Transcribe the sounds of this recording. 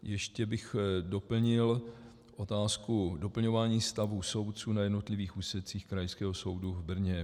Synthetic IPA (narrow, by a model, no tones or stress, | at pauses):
jɛʃcɛbɪxdo̞pl̩ɲɪl | ʔo̞t̪aːskudo̞pl̩ɲo̞vaːɲiːst̪avuso̞wt̪̚t͡suːnajɛdno̞t̪lɪviːxuːsɛt͡siːxkɾajskɛːɦoso̞wduvbr̩ɲɛ